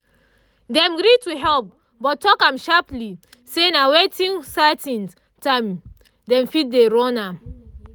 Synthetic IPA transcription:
dɛ̃mɡɾituɦɛlp̚ | bɔttːɔkãmʃapli | senawetĩnsatĩn | tãm | dɛ̃mfit̚deɾɔ̃nam

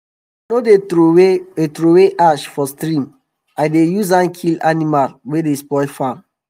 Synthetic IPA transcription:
node | etɾoweʔaʃfɔstɾĩm | aɪdejuz̬ãnkʰilanimalwedespɔɪfãm

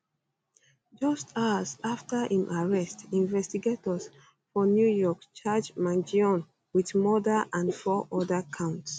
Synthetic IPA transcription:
d͡ʒʌstʰazaftəhĩmʔaɹɛstĩɱvɛstiɡetɔs | fɔnjujɔkt͡ʃad͡ʒmãnd͡ʒiɔ̃n | widmɔdəʔãndfɔʔɔdəkʰãʊ̃nts

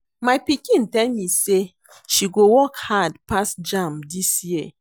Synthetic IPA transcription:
majpikĩntɛlmise | ʃiɡowɔkhadpasd͡ʒãmdisji

